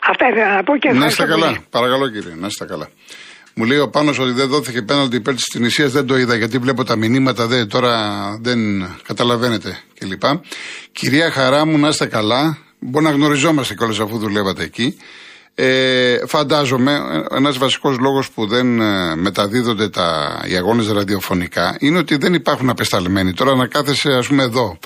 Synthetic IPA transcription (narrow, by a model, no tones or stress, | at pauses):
ɐft̪ɐðeɐpocenɐst̪kɐlɐpɐɾɐkɐlo̞ciɾḭenɐst̪ekɐlɐ | mule̞io̞pɐno̞so̞t̪iðe̞nðo̞θicepenɐld̪iːpe̞ɾt̪i̥st̪inisiɐzðe̞nd̪o̞iðɐʝɐt̪̬ivle̞p̬o̞t̪ɐminimɐt̪ɐðe̞t̪o̞ɾɐðe̞nkɐt̪ɐlɐve̞ne̞t̪e̞ce̞lipɐciɾiɐxɐɾɐmunɐst̪e̞kɐlɐ | boɾinɐɣno̞ɾizo̞mɐst̪e̞ceo̞le̞sɐfuðule̞vɐt̪e̞ːci | efɐnd̪ɐzo̞me̞̰ḛnɐzvɐsi̥ko̞zlo̞ɣo̞spuðe̞nme̞t̪ɐðiðo̞nd̪e̞t̪ɐ̰ḭɐɣo̞nezɾɐðio̞fo̞nikɐ̰ineo̞t̪iðe̞nipɐɾxunɐpe̞st̪ɐlme̞nit̪o̞ɾɐnɐkɐθe̞se̞ɐspumeːðo̞